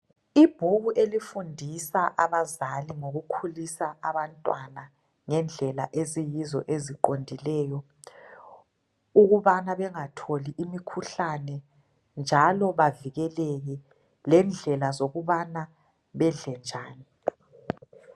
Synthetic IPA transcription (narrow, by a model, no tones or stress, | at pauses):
ib̥ʱuɣuʔelifundʱisaʔaβazaliŋoɣukʰulisaʔaβantʼwana | ŋɛnd͡ɮʱɛlaʔezijizɔ̰ʔeziǃondʱilɛːjɔ | uɣuβanaβɛŋatʰoliʔimikʰuɬanɛ | nd͡ʒʱalɔβaviɣɛleɣi | lɛnd͡ɮʱɛlazoɣuβana | βɛɮɛnd͡ʒʱaːni